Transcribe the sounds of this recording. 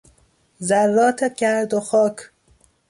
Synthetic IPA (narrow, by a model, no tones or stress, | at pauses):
zæɾːɒːt̪ʰeɡæɾd̪oxɒːkʰ